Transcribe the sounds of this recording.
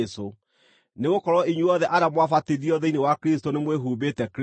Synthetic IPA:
so | neɣokɔɾɔiɲwuɔðɛʔaɾamwafateðiɔðɛinewakɾestonemweɦuːbetɛk

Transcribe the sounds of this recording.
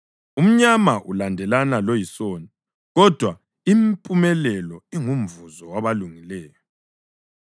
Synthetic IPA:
um̩ɲamaʔulandʱɛlanalojisoni | ɣɔd̥ʱwa | impʼumɛlɛlɔiŋum̩vuzɔwaβaluŋilɛːjɔ

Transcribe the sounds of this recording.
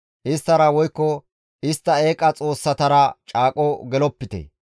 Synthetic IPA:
ʔɪst̪ːɐɾɐwɔjkːɔ | ʔɪst̪ːɐe̞ːkʼːɐt͡sʼo̞ːsːɐt̪ɐɾɐt͡ʃʼaːkʼɔɡɛlɔpːɪt̪ḛ

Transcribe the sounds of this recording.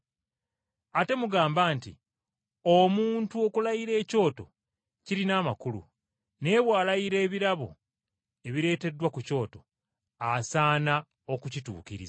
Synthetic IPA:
ate̞muɡaːmbaːntḭ | o̞muːntuo̞kulaiɾe̞ːco̞ːto̞̰ | ciɾinaːmakulṵ | ne̞ːβwaːlaiɾe̞ːβiɾaβo̞̰ | e̞βiɾe̞ːte̞dːwakuco̞ːto̞ | asaːna | o̞kucitṵːkiɾḭza

